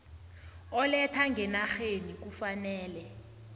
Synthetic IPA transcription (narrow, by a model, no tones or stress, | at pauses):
ɔlɛtʰaŋɡʱɛnaxenik̬ufanɛːlɛ